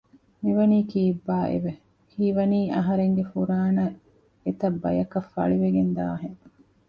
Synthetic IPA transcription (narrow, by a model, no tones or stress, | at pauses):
miʋɐniːkiːbːaːʔḛʋe | hiːʋɐniːʔɐɦɐɾeŋɡefuɾaːnɐ | et̪ɐbːɐ̰jɐkɐfːɐ̰ɭiʋeɡend̪a̰ːɦeŋ